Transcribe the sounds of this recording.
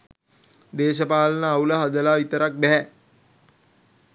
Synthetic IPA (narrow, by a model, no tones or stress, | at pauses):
d̪eːʃəpaːlənəːuləɦad̪əlaːʋit̪əɾak̚bæɦæ